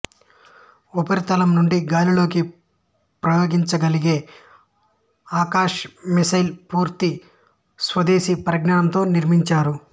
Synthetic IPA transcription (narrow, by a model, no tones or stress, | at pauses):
upɐɾit̪ɐlɐmnuɳɖiɡaːlilo̞ːki | pɾɐjoːɡiɲt͡ʃɐɡɐliɡeː | aːkaːʂmisɐjlpuːɾt̪i | sʋɐd̪eːsipɾɐɡnaːɐnt̪o̞ːniɾmiɲt͡ʃaːɾu